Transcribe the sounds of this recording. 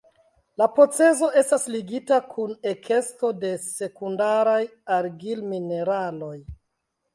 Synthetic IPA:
lapo̞t͡se̞zo̞e̞stasliɡitakʰune̞kʰe̞sto̞de̞se̞kundaɾajaɾɡilmine̞ɾalo̞j

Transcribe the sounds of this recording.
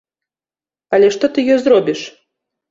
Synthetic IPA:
alʲɛʂt̪ɔt̪ɨjɔzrɔbʲiʂ

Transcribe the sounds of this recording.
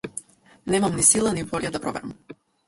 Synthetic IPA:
nɛmamnisilˠanivɔʎad̪apɾɔvɛ̰ɾam

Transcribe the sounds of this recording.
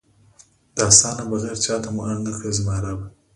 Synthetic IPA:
d̪̥əasɑnabəɣɛɾt͡ʃɑt̪amuʔaɳnakɽezmɑɾaba

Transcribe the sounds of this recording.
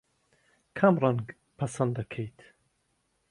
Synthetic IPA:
kʰɐmrˤanɡ | pʰɐsɐnd̪ɐkʰejt̪ʰ

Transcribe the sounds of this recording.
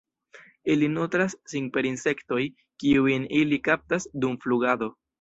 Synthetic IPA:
ilinotɾasːiŋpe̞ɾinse̞kto̞j | kiunilikap̚tasdumfluɡado̞

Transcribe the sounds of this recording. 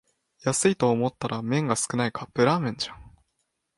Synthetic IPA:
jasɨit̪o̞ːmo̞t̪ːaɾamẽ̞ŋɡasɨ̥kɯ̟naikapɯ̟ɾaːmẽ̞ɲ̟d͡ʑãŋ

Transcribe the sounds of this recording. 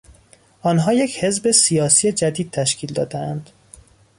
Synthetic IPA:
ʔɒːnɦɒːjecʰhe̞zbe̞sijɒːsiːjed͡ʒæd̪iːd̪̚t̪ʰæʃcʰiːld̪ɒ̰ːd̪eænd̪̥

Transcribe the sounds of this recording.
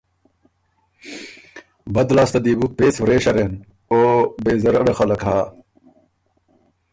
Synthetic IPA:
bɐd̪laːst̪ɐd̪iːbupeːsfɾeːɕɐɾen | oːbeːzɐɾɐɽexɐlɐkɦaː

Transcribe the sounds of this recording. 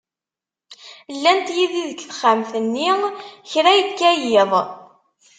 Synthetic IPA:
lːænt̪jiðiðəkθχamθənːiçɾæjəkːæjɪðˤ

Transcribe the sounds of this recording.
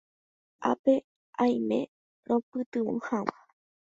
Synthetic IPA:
ʔa̰pe | ãj̃mḛ̃ | ɾõpɨt̪ɨõ̰hãwa

